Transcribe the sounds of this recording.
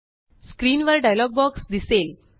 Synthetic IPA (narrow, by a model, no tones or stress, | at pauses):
skɾiːnʋəɾɖajlɔɡ̚bɔksd̪isel